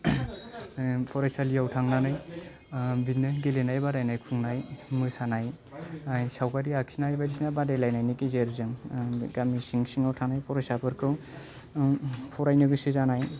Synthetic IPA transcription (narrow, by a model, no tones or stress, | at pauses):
pʰɔɾajsalijawtʰaŋnanɯj | bitnɯɡelenajbadajnajkʰuŋnajmɯjsanaj | ajsawkaɾiaksinajbajdisinabadajlajnajnikizeɾzɯŋɡamisiŋsiŋawtʰaŋnajpʰɔɾajsapʰɯɾkʰɯw | pʰɔɾajnɯɡɯsɯzanaj